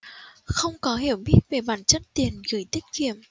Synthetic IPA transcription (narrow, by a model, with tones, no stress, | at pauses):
xə˧wŋ͡mkɔ˨˦ɦi˧˨əwɓi˦˥ət̚ve˨˩ɓaː˧˩nt͡ɕə˦˥t̚t̪i˨˩ənɣɨ˧˩jt̪ï˦˥k̟̚kḭ˧˨əm